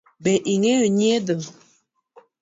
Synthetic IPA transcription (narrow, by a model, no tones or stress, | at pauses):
bɛʔiŋeoɲedə